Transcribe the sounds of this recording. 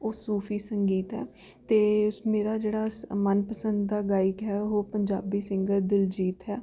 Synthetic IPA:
oːsuːpʰiːsəŋɡiːt̪ɦɛː | t̪eːmeːɾaːd͡ʒeːɽaːmənpəsə̃nd̪d̪aːɡaːɪkɦɛːoːpəɲd͡ʒaːbiːsɪŋɡəɾd̪ɪld͡ʒiːt̪ɦɛː

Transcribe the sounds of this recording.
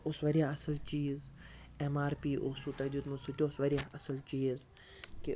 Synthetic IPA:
ʊsʋɐɾijaɐsəlt͡ʃiːz | emaːɾpiːʔosut̪ɐd͡ʒut̪mʊsiʈʲosʋɐɾijaɐsəlt͡ʃiːz | ki

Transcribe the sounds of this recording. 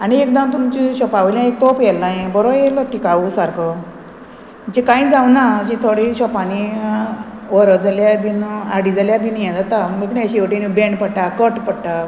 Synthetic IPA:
añiek̚d̪əmt̪umt͡ɕiɕɔpaʋljãek̚t̪opjɛlnajẽbəɾojeləʈikaʋusaɾkʰə | ət͡ɕikãĩd͡zawnat͡ɕĩt̪ʰoɽiɕɔpani | ʋəɾəd͡zaljabinaɽid͡zaljabinjẽd͡zat̪aməəknaəɕiʋəʈinibeɳɖpəɽʈakəʈpəɽʈa

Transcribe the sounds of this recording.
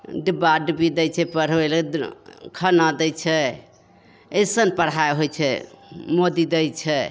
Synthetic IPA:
ɖibaɖbid̪ɛjt͡ʃʰɛpəɽ̤bel | kʰənad̪ɛjt͡ʃʰɛ | esənpəɽ̤aeɦojt͡ʃʰɛmod̪id̪əjt͡ʃʰɛ

